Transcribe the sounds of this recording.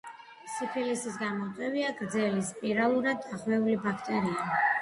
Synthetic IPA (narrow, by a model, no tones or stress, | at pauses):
sipʰilisisɡanmɔt̪ʼwɛviaɡɾd̪zɛlispʼiɾalˠuɾad̪ːaχwɛulibakʰt̪ʼɛɾia